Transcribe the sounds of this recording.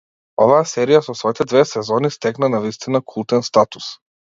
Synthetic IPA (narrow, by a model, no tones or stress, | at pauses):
ɔvaasɛɾijasɔsvɔit̪ɛd̪vɛsɛzɔnist̪ɛknanavist̪inakʰulˠt̪ɛnst̪at̪u̥s